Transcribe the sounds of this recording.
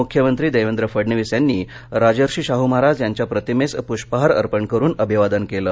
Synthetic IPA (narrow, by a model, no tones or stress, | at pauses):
ukʰjəmənt̪ɾiːd̪əjʋend̪ɾəfəɽɳiʋisjanːiː | ɾad͡ʑəɾɕiːɕaɦumaɾad͡zjaɲt͡ɕjapɾət̪imespuɕpəɦaɾə̰ɾpəɳkəɾuːnəbʱiʋad̪ənkeləː